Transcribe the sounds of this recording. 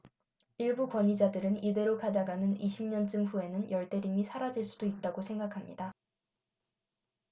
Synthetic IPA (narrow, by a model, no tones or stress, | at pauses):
iɭbukwʌɲid͡ʑadɯɾɯnide̞ɾokadaɡanɯniɕʰimɲʌnt͡ɕ͈ɯmɸue̞nɯnjʌɭt͈e̞ɾimisʰaɾad͡ʑiɭs͈udoit̚t͈aɡosʰe̞ŋɡakʰamɲḭda